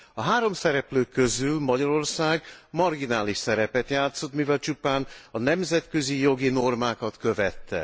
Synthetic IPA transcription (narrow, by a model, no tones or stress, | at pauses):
ɒɦaːɾo̞msɛɾɛpløːkːø̞zylmɒɟɒɾo̞rsaːɡmɒrɡinaːliʃsɛɾɛpɛt̪jaːt̪so̞t̪mivɛlt͡ʃupaːnɒnɛmzɛt̪kø̞zijo̞ɡino̞rmaːkɒt̪kø̞vɛt̪ːɛ̰